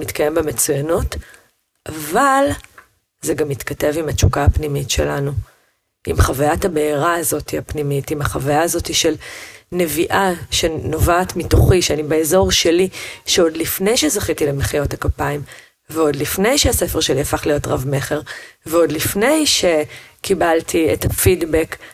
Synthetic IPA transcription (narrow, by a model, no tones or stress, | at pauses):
mitkaje̞mbemet͡sujanut | ʔaval | zeɡamːitkate̞vimat͡ʃukaapnimitʃe̞̰lanu | ʔḭmχavajatabeiʁaːzo̞tihapnimitimaχavajaːzo̞tiʃe̞lne̞viʔaʃeno̞vaːtmitoχiʃeanibeezo̞ʁʃe̞liʃeo̞dlifne̞jʃezaχitilemeχijo̞thakapaim | veo̞dlifne̞jʃease̞feʁʃe̞liafaχlijo̞tʁavme̞χe̞ʁveo̞dlifne̞jʃe̞kibaltʰiḛtafidbek